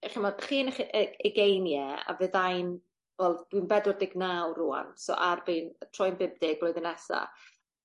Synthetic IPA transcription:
χimɔdχiːnəχʔəəɡejnjɛa̰vɨðajn | wɛlˠd̥winbɛdʊrdɪɡnawruːa̰nsɔ̰ʔarbiːnətʰrɔjnbɪb̚dɪɡlˠojðənɛsa̰

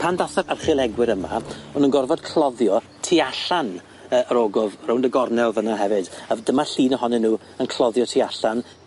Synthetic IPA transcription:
pʰandaθaɾarχɪlˠɛɡwɪɾəma̰ɔnənɡɔrvɔd̥̚kʰl̥ˠɔðjɔ | tʰiaɬan | əːʔəɾoːɡɔvrowndəɡɔrnɛlˠvənaɦɛvɨd̥avdəmaɬiːnəɦɔnɛnːuː | ənkʰlˠɔðjɔtʰiaɬan

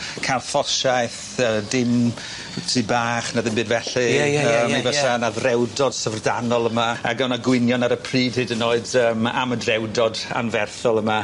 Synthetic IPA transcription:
kʰajlˠfɔʃajθ | əːdɪm | tʰibaːχnaðɪ̃nbɨːdvɛɬɨaəːmivɛsanaðrɛwdɔd̥səvrdanɔlˠəmaa̰ɡɔnaɡwɪnjɔnaɾəpʰriːd̥hedənːoːɨdəːma̰mədrɛwdɔda̰nvɛrθɔlˠəma

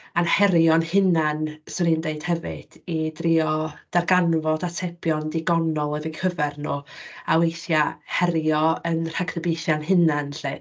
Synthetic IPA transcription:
anhɛɾjɔnhɪnansɛɾindeɨd̥hɛvɨ̰d̥idrɪɔd̥arɡanvɔdatʰɛpjɔndɪɡɔnɔlˠɛvɪkʰəvɛrnoawejθjahɛɾjɔənr̥akʰrəbejθjanhɪnanɬe

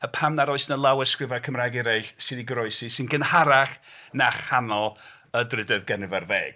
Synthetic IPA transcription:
əpʰamnaɾoɨsnəlˠawɛskrɪvakʰəmrajɡiɾeɬsɪðiɡɾɔɨsisɨnɡənhaɾaχnaχhanɔlˠ | ədrɪdɛðɡɛnɨvarveːɡ̥

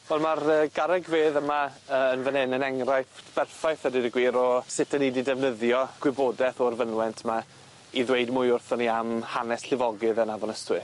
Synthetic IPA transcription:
vɛlˠmarəːɡaɾɛɡveːðəmaəːnvənɪnənɛŋrajpb̥ɛrfajθhədɪdiɡwiːɾɔsɪtʰənididɛvnəðjɔɡ̥wɪboːdɛθɔrvənwɛntʰma | iðwejdmʊjʊrθɔniamhanɛsɬɪvɔɡɨðənavɔnəstwɨ

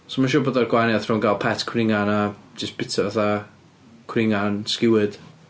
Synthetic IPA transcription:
somaʃuːboːdarɡwanjaθrɔnɡaːlˠpʰɛtkʰwrɪŋanad͡ʒɪstb̥ɪtʰavaθa | kʰwrɪŋanskɪwɨd̥

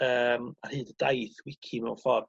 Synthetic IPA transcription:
əːmarhɨːdədajθwɪkʰimɛwnfɔr

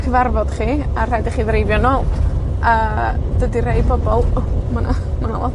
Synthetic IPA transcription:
kʰəvarvɔd̥χiːar̥adɪχiːðrejvjɔnɔːlˠəːdədirej̚bɔbɔlˠmana | mana̰lˠɔ̰

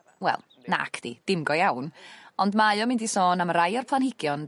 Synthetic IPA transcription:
wɛ̰lˠ | na̰kʰd̥ḭd̥ɪmɡɔjawnɔndmajɔmɪndisoːnaməɾajɔrpʰlˠanhɪɡ̥jɔn

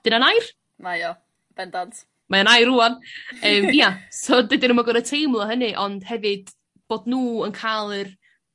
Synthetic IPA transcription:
d̥ɪnanajr | majɔ | b̥ɛndɔd | majanajruːanəːmiasɔdɪdɪnəmaɡɔɾətʰejmlˠɔɦənɨʔɔnd̥hɛvɨd̥ | b̥oːdnuːənkʰalˠɨr

